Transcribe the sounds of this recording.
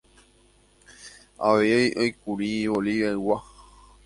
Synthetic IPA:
a̰ʋeʔojkuɾioliʋeɨwa

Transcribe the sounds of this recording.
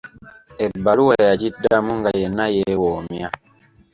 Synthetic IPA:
ebːaluwajacidːamuŋɡajenajewoːmja

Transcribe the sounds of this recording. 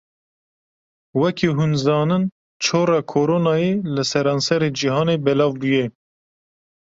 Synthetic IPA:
wɛkʰiːɦunzɑːnɨn | t͡ʃʰoːɾɑːkʰoːɾoːnɑːjeːlɨsɛɾɑːnsɛɾeːd͡ʒiɦɑːneːbɛlɑːvbujɛ

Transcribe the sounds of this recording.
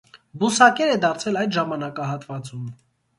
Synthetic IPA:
busɑkɛɾɛd̪ɑɾt͡sʰɛlɑjd̪ʒɑmɑnɑkɑɦɑt̪vɑt͡sum

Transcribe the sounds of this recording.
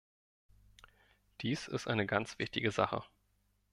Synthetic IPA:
d̥iːsɪ̰stʔa̰ɪnəɡant͡sv̥ɪçtɪɡəza̰χə̰

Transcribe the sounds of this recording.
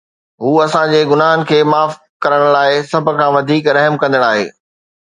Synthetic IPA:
ɦuːɐsãd͡ʑeːɡʊnaːɦənɪ̆kʰeːmaːf | kɐɾəɽ̃laːɪsɐb̆ʱkʰãːʋɐd̪ʱiːkɾɐɦmkɐ̃nd̪əɽ̃aːɦḛː

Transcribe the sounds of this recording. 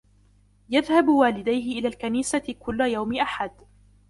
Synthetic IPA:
jaðhabwaːlɪd̪ajɦɪʔɪlaːlkaniːsakʊlːʊjawmɪʔaħad̪

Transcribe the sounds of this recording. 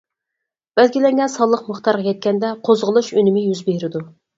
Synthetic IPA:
b̥ælɡʲilɛŋɡʲɛnsɑlˠːəqmʊχt̪ʰɑɾʁɑjʲɛt̪̚kʲɛnd̪ɛqʰozʁəlˠuʃynɪmɪjyzbeɾɪd̪u

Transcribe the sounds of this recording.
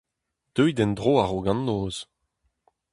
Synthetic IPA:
d̪̥øjd̪ɛnd̪ʁoːaʁoɡɑ̃nːoːz̥

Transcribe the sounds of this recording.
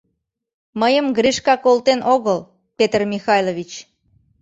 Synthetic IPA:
məjəmɡɾiʃkɑkolt̪enʔoɣəl | pet̪ərmʲixɑjlovʲit͡ɕ

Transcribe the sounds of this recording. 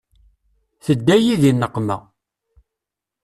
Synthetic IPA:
θəd̪ːæjiðinːəqːmæ̰

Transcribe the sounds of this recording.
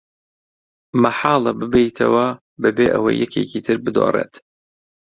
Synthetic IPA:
mɐħɑːlˠɐbɨbejt̪ʰɐ̰wɐ | bɐbeːʔɐ̰wɐ̰jːɛcʰeːcʰiːt̪ʰɨɾbɨd̪oːrˤeːt̪

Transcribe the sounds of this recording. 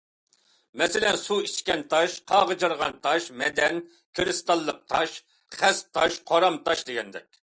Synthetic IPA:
mɛsɪlɛnsuiʃkʲɛnt̪ʰɑʃqʰɑʁəd͡ʒɨɾʁɑnt̪ʰɑʃmɛd̪ɛn | kʲʰɾɨst̪ɑlˠːəq̚t̪ʰɑʃ | χæst̪ʰːɑʃqʰoɾɑmt̪ʰɑʃd̪eɡʲɛnd̪ɛkʲ

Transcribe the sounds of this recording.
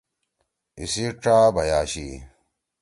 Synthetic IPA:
isiʈ͡ʂaːbɐjaːɕi

